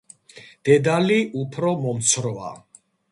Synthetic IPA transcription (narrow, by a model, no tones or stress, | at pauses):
d̪̥ɛd̪aliʔupʰɾɔmɔmt̪sʰɾɔa̰